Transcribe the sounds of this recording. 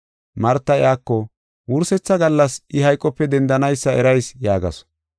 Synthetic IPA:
mɐɾt̪ːɐɪjaːkːɔ | wʊɾsɛt͡sːɐɡɐlːɐsʔɪhɐjkʼːɔpːɛd̪ɛnd̪ɐnɐjsːɐɛɾɐjsjaːɡɐ̰s

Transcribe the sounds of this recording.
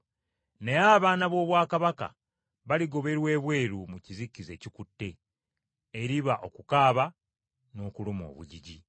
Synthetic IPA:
ne̞aβaːnaβo̞ːβwaːkaβaka̰ | βaliɡo̞βe̞ɾwe̞ːβwe̞ːɾumucizikːize̞ːcikutːe̞ː | ɾiβaʔo̞kukaːβa | no̞ːkulumo̞̰ːβṵɟiɟi

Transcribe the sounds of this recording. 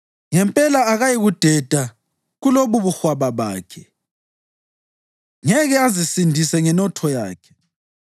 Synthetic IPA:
ŋɛmpʼɛlaːɣajiɣud̥ʱɛd̥ʱa | ɣuloβuβuxwaβaβa̰ːkʰɛ | ŋɛɣɛazisindʱisɛŋɛnɔtʰɔja̰ːkʰɛ̥

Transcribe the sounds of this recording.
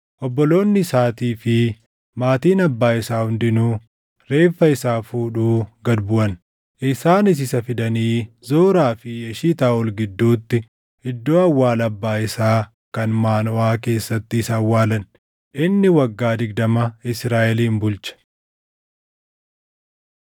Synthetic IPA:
ʔɔbːɔlo̞ːnːɪsaːt̪iːfɪ | maːt̪iːnɐbːaːɪsaːhʊnd̪ɪnu | ɾe̞ːfːɐɪsaːfuːᶑuːɡɐd̪bʊʔɐn | ʔɪsaːnɪs̬ɪsɐfɪd̪ɐniːzoːɾaːfɪjɐʃiːt̪aːɔlɡɪd̪ːuːt̪ːɪ | ɪd̪ːo̞ːɐwːaːlɐbːaːɪsaː | kɐnmaːnɔʔaːke̞ːsːɐt̪ːɪːsɐwːaːlɐn | ʔɪnːɪwɐɡːaːd̪ɪɡ̚d̪ɐmɐɪsɾaːʔɛliːmbʊlt͡ʃɐ̥

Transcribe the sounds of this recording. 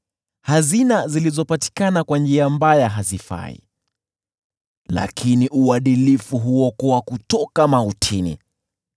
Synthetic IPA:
hazinazilizɔpati̥kanakwand͡ʒiambajaɦazifa̰ḭ | la̰kʰiniʔuaɗilifuɦuɔkɔwakutɔkamautʰinḭ

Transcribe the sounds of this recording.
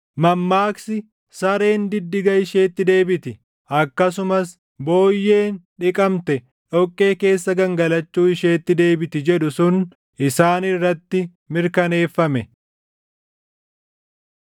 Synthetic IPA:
mɐmːaːksɪ | sɐɾe̞ːnd̪ɪd̪ːɪɡɐɪʃeːt̪ːɪd̪e̞ːbɪt̪ɪ | ɐkːɐs̬ʊmɐs | bo̞ːjːe̞ːnᶑɪkʼɐmt̪ɛ | ᶑɔkʼːe̞ːke̞ːsːɐɡɐŋɡɐlɐt͡ʃːuːɪʃe̞ːt̪ːɪd̪e̞ːbɪt̪ɪd͡ʒɛɗʊsʊn | ʔɪsaːnɪrːɐt̪ːɪ | mɪɾkɐne̞ːfːɐmɛ

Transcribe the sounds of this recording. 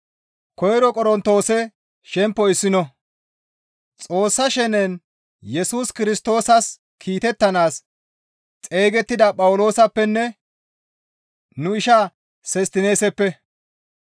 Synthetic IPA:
kɔjɾɔkʼɔɾɔnt̪ːo̞ːsɛ | ʃɛmpːɔɪsːɪnɔ | t͡sʼo̞ːsːɐʃɛnɛn | jɛsuːskɪɾɪst̪o̞ːsɐs | kʰiːt̪ɛt̪ːɐnaːs | t͡sʼe̞ːɡɛt̪ːɪd̪ɐpʼɐwʊlo̞ːsɐpːɛnːɛ | nʊɪʃa | sɛst̪ɪne̞ːsɛpːɛ

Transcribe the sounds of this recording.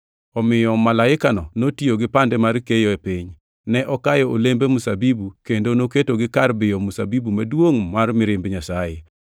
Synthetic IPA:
ɔmɪjɔmalaɪkanɔnotioɡɪpandɛmaɾkejoepiɲ | nɛʔɔkajɔolembemusabibukendonoketoɡɪkarbɪjɔmusabibumadwoŋmarmɪɾɪmbɲasaje

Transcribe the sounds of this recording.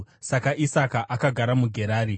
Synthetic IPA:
sakaʔisakaʔʔakaɡʱaɾamuɡʱe̞ɾaːɾi

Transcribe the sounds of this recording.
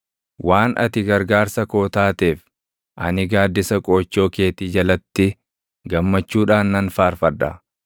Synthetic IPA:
wʔaːnʔɐ̰t̪ɪɡɐɾɡaːɾsɐko̞ːt̪aːt̪e̞ːf | ʔɐ̰nɪɡaːd̪ːɪsɐkʼoːt͡ʃːo̞ːkeːt̪iːd͡ʒɐlɐt̪ːɪ | ɡɐmːɐt͡ʃːuːᶑaːnːɐnfaːɾfɐd̪ːɐ̰

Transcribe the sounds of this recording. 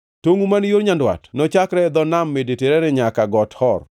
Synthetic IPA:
toŋumanjoɾɲandwa̰tnɔt͡ʃakɾɛd̪ɔnamːedeteɾɛnɛɲakaɡɔthɔr

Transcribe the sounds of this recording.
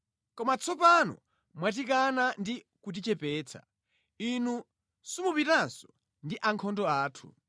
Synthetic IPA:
kɔmat͡sʰɔpanɔ̰ | mwat̬ikanandi | kut̬it͡ʃɛpɛːt͡sʰḁ̰ | inu | sumupitansɔ̥ | ndiʔaŋkʰɔndɔaːtʰṵ

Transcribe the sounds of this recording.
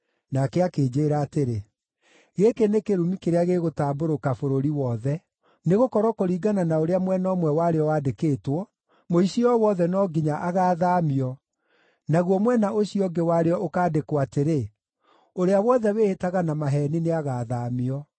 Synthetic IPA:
nakɛakeːd͡ʒeːɾaːteɾe | ɣekenekeɾumikeɾeaɣeːɣotaːboɾokafoɾoɾiwɔðɛ | neɣokɔɾɔkoɾiːɡananaoɾeamwɛnɔmwɛwaɾeɔwaːdekeːtwɔ | moiɕiɔwɔðɛnɔɡiɲaʔaɣaːðaːmiɔ | naɣwɔmwɛnaʔoɕiɔɡewaɾeɔokaːdekwateɾe | oɾeawɔðɛweːhetaɣanamaɦɛnineaɣaːðaːmiɔ

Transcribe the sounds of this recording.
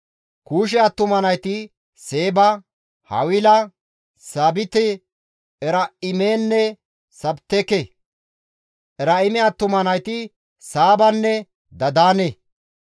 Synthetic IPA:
kuːʃ̬ɛɐt̪ːʊmɐnɐjt̪ɪ | se̞ːbɐ | hɐ̰wɪlɐ | saːbɪt̪ɛ | ɛɾɐɪmeːnːɛ | sɐbt̪ːɛkɛ | ʔɛɾɐɪmɛɐt̪ːʊmɐnɐjt̪ɪ | saːbɐnːɛ | d̪ɐd̪aːne

